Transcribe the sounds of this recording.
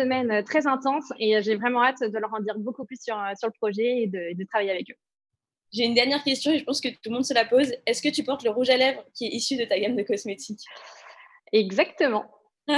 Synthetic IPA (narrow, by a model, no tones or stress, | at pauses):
əmɛnøt̪χɛzɛ̃t̪ɑ̃seʒevʁɛmɑ̃at̪d̪ələʁɑ̃d̪iʁbokuplysːyʁøsyʁləpχɔʒɛed̪əed̪ət̪χavajeavɛkø | ʒeynd̪ɛʁnjɛʁkʲɛst̪jɔ̃eʒəpɑ̃skət̪ulmɔ̃d̪səlapozɛskət̪ypɔʁt̪ləʁuʒalɛvʁkʲiɛʔisyd̪ət̪aɡʲamd̪əkɔsmet̪ʰikʲ | ɛɡzakt̪əmɑ̃